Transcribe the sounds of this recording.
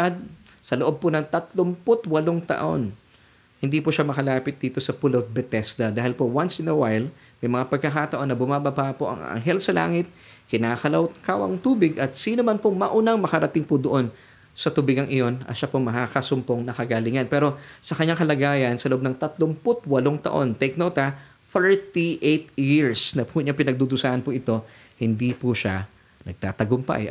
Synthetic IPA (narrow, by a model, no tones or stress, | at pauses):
ad̪̚ | sɐloʔob̚ponɐŋt̪ɐt̪lompʊt̪wɐloŋt̪ɐ̰ʔo̞̰n | hɪnd̪ipʊʃamɐkɐlaːpɪt̪̚d̪iːt̪o̞sɐpʊlovbɛt̪ɛsd̪ɐd̪aːhɪlpowansɪnɐwajl | mɐjmɐŋapɐɡ̚kɐkaːt̪ɐʔo̞nːɐbʊmaːbɐbaʔpoʔɐ̰ŋa̰ŋɦɛlsɐla̰ːŋɪt̪̚ | kɪnaːkɐlɐwt̪̚kawɐ̰ŋt̪uːbɪɡʔɐt̪̚siːnomanpoŋmɐʔʊnaŋmɐkɐɾɐt̪ɪŋpʊd̪oʔo̞n | sɐt̪ubɪɡɐŋʔɪjo̞nɐ̰ʃapoŋmɐkakɐsʊmpoŋnɐkɐɡaːlɪŋɐnpɛːɾo̞sɐkɐɲːaŋkɐlɐɡaːjɐnsɐloʔb̚nɐŋt̪ɐt̪lʊmpʊt̪̚wɐloŋt̪ɐ̰ʔo̞nt̪ɛjknowt̪ɐ | θɛɹt̪iʔejt̪jɪɹsnɐpuɲapɪnɐɡ̚d̪ud̪ʊsaːʔɐnpʊʔɪt̪o̞ | hɪnd̪ipuʃa | nɐɡ̚t̪aːt̪ɐɡʊmpa̰j